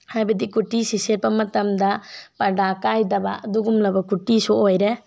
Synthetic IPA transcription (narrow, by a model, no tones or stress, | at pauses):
habɛd̪ikuʈisisɛɾpamat̪amd̪apaɖakajd̪abaʔd̪uɡumlabakuʈisɔʔojɾɛ